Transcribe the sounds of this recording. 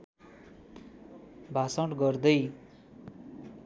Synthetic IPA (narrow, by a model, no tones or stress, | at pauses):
bʱasʌʈɡʌrd̪ʌj